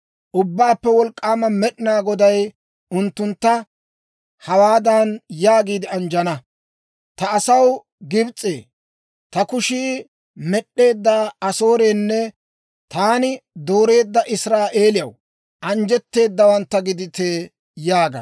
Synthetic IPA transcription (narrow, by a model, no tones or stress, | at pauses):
ʔʊbːaːpːɛwɔlkʼːaːmɐmɛɗɪnaːɡɔd̪ɐj | ʊnt̪ːʊnt̪ːɐ | hɐwaːd̪ɐnjaːɡiːd̪ɪɐnd͡ʒɐnɐ | t̪ɐːsɐw | ɡɪbt͡sʼːe̞ː | t̪ɐkʊʃiː | mɛɗːe̞ːd̪ːaːɐso̞ːɾeːnːɛ | t̪aːnɪd̪o̞ːɾe̞ːd̪ːɐʔɪsɾaːʔe̞ːlɪjɐw | ʔɐnd͡ʒɛt̪ːe̞ːd̪ːɐwɐnt̪ːɐɡɪd̪ɪt̪eː | jaːɡɐ̰